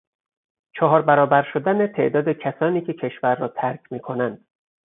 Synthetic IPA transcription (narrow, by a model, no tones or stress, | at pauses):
t͡ʃʰɒːɦɒːɾbæɾɒːbæɾʃod̪ænet̪ʰe̞̰ʔd̪ɒːd̪ecʰæsɒːniːcʰecʰe̞ʃvæɾːɒːt̪ʰæɾkʰʲmiːkʰo̞nænd̪̥